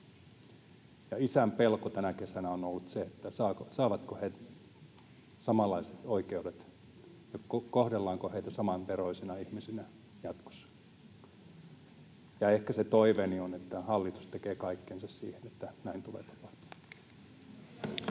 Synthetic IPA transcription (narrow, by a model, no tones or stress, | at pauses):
jɑisæmpelkot̪ænækesænæonolːut̪seet̪ːæsɑːksɑːʋɑt̪kohet̪ | sɑmɑlːˑɑise̥t̪oikeudet̪ | jookohdelːɑːŋkoheit̪æsɑmɑnpeɾoisinɑihmisinæ | jɑt̪ko̥sːɑ̥ | jɑehkæset̪oiʋenionet̪ːæhɑlːit̪u̥st̪ekeːkɑikːensɑssḭːhenet̪ːænæint̪ulḛːt̪ɑ̥pɑht̪u̥ɑ